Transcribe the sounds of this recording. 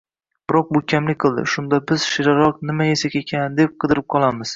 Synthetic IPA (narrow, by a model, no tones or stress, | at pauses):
b̥ɪɾɒq̚bʊkʲʰamlɪkʲqʰɨlˠd̪ɪ̰ʃʊnd̪abɪz̥ʃɪɾaɾɒqnɪmaesakʲekʲʰand̪e̞p̚qʰɨd̪ɪɾɪp̚qʰɒlˠamɪz̥